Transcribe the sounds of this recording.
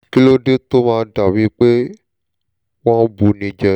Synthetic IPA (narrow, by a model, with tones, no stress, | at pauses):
ki˦lo˦ɖe˦t̪o˦mã˧ɖa˨wĩ˦k͡pe˦ | wã˦bu˨nĩ˨d͡ʒɛ˨